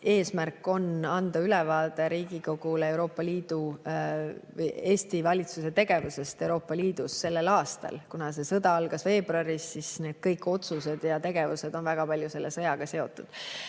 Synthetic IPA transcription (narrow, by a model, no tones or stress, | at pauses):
e̞ːsmærkːˑo̞nɑnd̪̥ɑylɛvɑːd̪̥e̞ɾiːɡiko̞ɡ̥uleewɾo̞ːpːˑɑliːd̪̥u | vje̞ːsʲt̪ivɑlʲit̪suse̞t̪e̞ɡ̥e̞vuse̞st̪e̞wɾo̞ːpːˑɑliːd̪usːe̞lːe̞lɑːst̪ɑ̰lkunɑse̞sɤd̪ɑɑlɡ̥ɑsve̞ːbruɑɾisːisne̞ːd̪̥̚kɤjkːˑo̞t̪suse̞d̪̥jɑt̪e̞ɡ̥e̞vuse̞d̪̥o̞nvæɡ̥ɑpɑlʲjuse̞lːe̞sɤjɑɡ̥ɑse̞o̞t̪ːˑud̪̥